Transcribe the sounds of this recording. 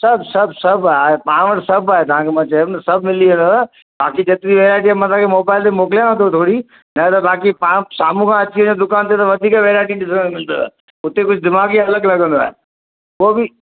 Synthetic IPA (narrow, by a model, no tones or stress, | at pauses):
sɐbʱsɐbʱsɐbʱaaːɦepãːʋəʈsɐbaːɦet̪ɐʋ̤ãːkʰemãːt͡ɕɐjũt̪ɐsɐbʱmɪliɦɪ̃nd̪oaː | baːkid͡ʑet̪niʋeːɾaːɪʈ̬iaːmãt̪ʰãːkʰemoːbaːɪlt̪emoːkɪljãə̃nd̪ot̪ʰoːɽi | nɐt̪ɐbaːkipãːsaːm̤ũkʰãɐt͡ɕiə̃ɲõd̪ʊkaːnt̪et̪ɐʋɐd̪ʱiːkaʋeːɾaːɪʈiɖɪs̬emɪld̪o̰a̰ː | ʊt̪ekʊd͡ʑʱd̪ɪmaːɡiɐləɡlɐɡə̃nd̪oa̰ːɦḛ | koːbɪ